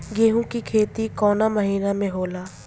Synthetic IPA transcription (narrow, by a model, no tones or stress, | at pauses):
ɡeːɦũkikʰeːt̪ikɔːnaməɦiːnamẽɦoːlaː